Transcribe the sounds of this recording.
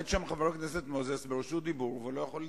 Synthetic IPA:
t̪ʃamχaveʁakneset̪mozesbeʁoʃud̪ibuʁvulojaχol

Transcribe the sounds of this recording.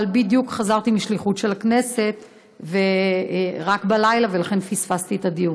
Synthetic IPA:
lbid̪jukχazaʁt̪imiʃliχutʃe̞lakne̞se̞t̪ | ve̞ | ʁakbalajlave̞laχe̞nfisfast̪iet̪ad̪ijun

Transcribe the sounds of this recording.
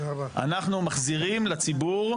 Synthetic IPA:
a̰naχnumaχziʁimlat͡sibuʁ

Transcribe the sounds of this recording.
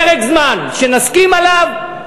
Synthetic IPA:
ʁeɡzmanʃenaskimalav

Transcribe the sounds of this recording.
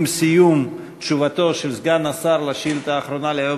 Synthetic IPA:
msijum | t̪ʃuvat̪o̞ʃelzɡanasaɾlaʃilt̪aːχɾonalejo

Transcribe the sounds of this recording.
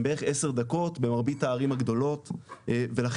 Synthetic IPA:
beʁeχese̞ʁd̪ako̞tbe̞maʁbitaːʁimhaɡd̪o̞lo̞tve̞laχ

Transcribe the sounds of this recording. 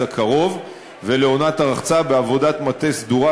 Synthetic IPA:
akʰaʁo̞v | ve̞leo̞nataʁaχt͡sabeavo̞dat̪mat̪esd̪uʁa

